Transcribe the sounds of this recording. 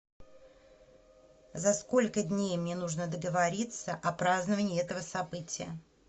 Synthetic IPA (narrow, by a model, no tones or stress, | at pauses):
zɐsko̞lʲkədʲnʲejmnʲenuʐnəd̪əɡəvɐɾʲit̪səʔɐpɾaznəvənʲɪːɛt̪əvəsɐbɨtʲɪjə̰